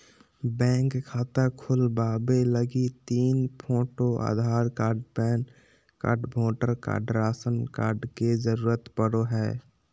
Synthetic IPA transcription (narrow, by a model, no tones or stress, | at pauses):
bɛ̃ːŋkkʰːaːt̪akʰʊlbaːbeləɡit̪iːnpʰoːʈoa̰ːd̪ʱaːɾkaːɾɖpɛːn | ka̰ːɾɖbʱoːʈəɾka̰ːɖɾaːsənka̰ːɾɖkezəɾuːɾət̪pəɽoɦɛː